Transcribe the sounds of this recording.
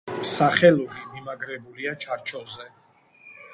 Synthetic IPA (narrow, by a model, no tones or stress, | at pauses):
saχɛlɔbimimaɡɾɛbuliat͡ʃʰaɾt͡ʃʰɔzɛ